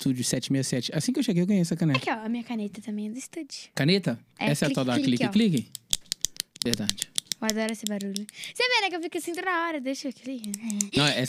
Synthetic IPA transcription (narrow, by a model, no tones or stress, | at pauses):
t̪ud͡ʒʊsɛt͡ʃɪmejɐsɛt͡ʃɪasĩkɪewʃeɡejewɡɐ̃jeɛsɐkanekɪɔɐmĩɲɐkanet̪ɐt̪ɐ̃mẽj̃ɛd̪ʊist̪ud͡ʒʊkanet̪ɐ | ɛɛsɛɐt̪ad̪alikiklikɪ | vehd̪ad͡ʒɪad̪ɔɾɐesɪbaɾuʎʊsebẽnɐ̃kewfikasĩt̪od̪aɔɾɐd̪eʃoklikɐɛnɐ̃ɛ